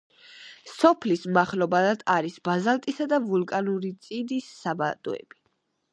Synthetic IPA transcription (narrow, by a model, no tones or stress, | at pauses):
sɔpʰlismaχlɔbad̪ad̪aɾisbazalˠt̪ʼisad̪avulˠkʼanuɾit̪sʼid̪isːabad̪ʼɔ̰ɛ̰b̥i